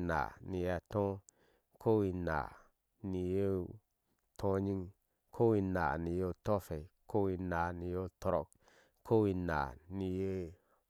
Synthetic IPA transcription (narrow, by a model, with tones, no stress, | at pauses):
na̰˨ni˧ja˧t̪õ˦ | kʰo˦wi˧na̰˨ | ni˧je˦ | tʰõ˦ɲi˦ŋ | kʰo˦wi˧na̰˨ni˨jo˧to˦fe˨ko˦wi˧na˨ni˨jo˦to˧ɾo˦˨k̚ | ko˦wi˧na̰˨ni˧je˦